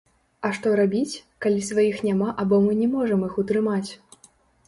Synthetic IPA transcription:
ɐʂt̪ɔɾabʲit͡sʲkalʲisvajixnʲamaʔabɔmɨnʲɛmɔʐɐmixut̪ɾɨmat͡sʲ

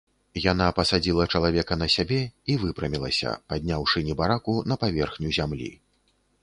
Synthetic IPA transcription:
jan̪apɐsad͡zʲilˠɐt͡ʂɐlˠavʲɛkɐnɐsʲabʲɛivɨpɾɐmʲilˠɐ̰sʲɐ̰pad̪ʲnʲawʂɨnʲɛbaɾakunɐpavʲɛrxnʲuzʲamlʲḭ

